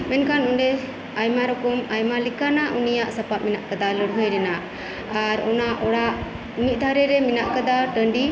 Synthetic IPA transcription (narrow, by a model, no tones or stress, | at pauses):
mɛnkanɔɳɖɛ | ajmaɾɔkɔmajmalikanaʔunijaʔsəpat̪̚minaʔkad̪aləɽɦɔjɾɛnaː | ɾɔ̰naʔɔɽaʔ | ɲiʔ̚ˀd̪ʱaɾɛɾɛminaʔkad̪aʈəɳɖi